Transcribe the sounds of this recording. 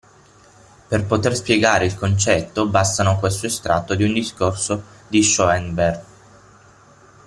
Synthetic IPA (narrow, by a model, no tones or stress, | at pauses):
perpot̪erspjeɡaːɾeilkont͡ʃɛt̪ːobast̪anokwest̪oest̪ɾat̪ːod̪iund̪iskorsod̪iʃɔɛnbɛrɡ